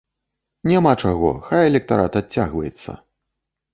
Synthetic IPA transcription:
nʲamat͡ʂaɣɔ̰xajɛlʲɛk̚t̪aɾat̪at͡sʲːaɣvɐjɛt̪sːɐ̰

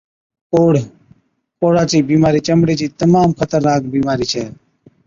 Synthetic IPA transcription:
poːɽ | poːɽaːt͡ʃiːbiːmaːɾiːt͡ʃəmɽeːt͡ʃiːt̪əmaːmkʰət̪əɾnaːk̚biːmaːɾiːt͡ʃʰɛː

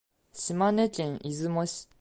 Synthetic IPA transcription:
ɕimanet͡ɕẽɰ̃ʔizɨmoɕi̥

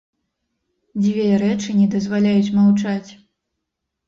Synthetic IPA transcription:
d͡zʲvʲeɾɛt͡ʂɨnʲɛd̪ɐzvalʲajut͡sʲmawt͡ʂat͡sʲ

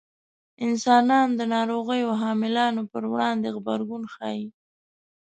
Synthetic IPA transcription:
ɪnsɑnɑnd̪ənɑɾoɣəjoɦɑmɪlɑnopəɾwɽɑnd̪eɣbaɾɡunxɑ̰ji

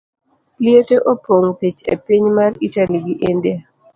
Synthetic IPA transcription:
lieteʔopoŋt̪it͡ʃḛpiɲmaritaliɡiʔende

